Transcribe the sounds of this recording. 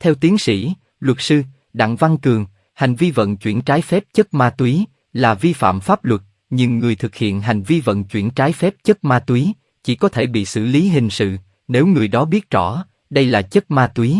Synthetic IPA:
t̪ʰɛ˧wt̪i˨˦nsḭ˧˥ | lwə˨˩t̚sɨ˧ | ɗa̰˧˨ŋva˧ŋkɨ˨˩əŋ | ha˨˩jŋ̟vi˧və̰˧˨nt͡ɕwḭ˧˩ənt͡ɕaː˨˦jfɛ˦˥p̚t͡ɕə˦˥t̚maː˧t̪wi˨˦ | laː˨˩vi˧fa̰ː˧˨mfaː˦˥p̚lwə˨˩t̚ | ɲɨ˧˩ŋːɨ˨˩əjt̪ʰɨ˨˩k̚hḭ˧˨ənɦa˨˩jŋ̟vi˧və̰˧˨nt͡ɕwi˧˩ənt͡ɕaː˨˦jfɛ˦˥p̚t͡ɕə˦˥t̚maː˧t̪wi˨˦ | t͡ɕḭ˧˩kɔ˨˦t̪ʰe˧˩ɓḭ˧˨sɨ̰˧˩li˨˦ɦï˨˩ŋ̟sɨ̰˧˨ | ne˨˦wŋɨ˨˩əjɗɔ˨˦ɓi˦˥ət̚t͡ɕɔ̰˧˩ | ɗə˧jlaː˨˩t͡ɕə˦˥t̚maː˧t̪wi˨˦

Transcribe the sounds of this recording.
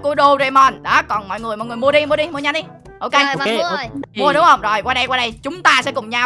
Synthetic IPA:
ku˧˩əɗu˧ze˧˩mɔ˧˩nɗɔ˨˦kɔ˨˩nmɔ̰˧˨jŋɨ˨˩əmɔ̰˨ŋɨ˨˩əjmu˧əɗi˧mu˧ɗi˧mu˧ɲa˧nɗi˧ | ʔo˧wke˧mu˧əɗʊ˨˦hə˧wŋ͡mzo˨˩jkwaː˧ɗə˧jkwaː˧ɗə˧jt͡ɕʊ˨˦ŋ͡mt̪aː˧sɛ̰˧˥kʊ˨˩ŋ͡mɲa˧w

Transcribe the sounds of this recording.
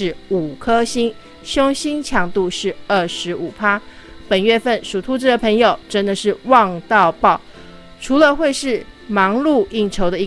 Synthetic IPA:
ɻ̩˥˩u˨˩kʰɤ˥ɕi˥n | ɕjo˥ŋɕi˥nt͡ɕʰjɑ˧˥ŋt̪u˥˧ʂɻ̩˥˩˧ə˥˩ʂɻ̩˧˥ʔu˨˩pʰa˥ | pə˨˩nɥɛ˥˧fə˥˩nʂu˨˩t̪ʰu˥ʈ͡ʂɻ̩˥˩d̪ə˩pʰɤ˧˥ŋjo˨˩ʊʈ͡ʂə˥nd̪ə˨ʂɻ̩˥˧wɑ˥˧ŋt̪ɑ˥˧ʊpɑ˥˩ʊ | ʈ͡ʂʰu˧˥lə˧xwe˥˧ɪʂɻ̩˥˩ | mɑ˧˥ŋlu˥˧i˥˩ŋʈ͡ʂʰo˧˥ʊd̪ə˧i˧˥

